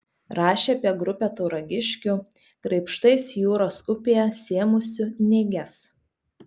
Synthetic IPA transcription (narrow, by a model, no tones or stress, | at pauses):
ɾɑːʃʲeːɐpʲiɛɡɾʊpʲɛt̪ɔʊɾɐɡʲɪʃʲkʲʊ | kɾɐɪpʃt̪ɐɪsjuːɾoːsʊpʲejɛsʲeɛmʊsʲʊnʲɛːɡʲɛs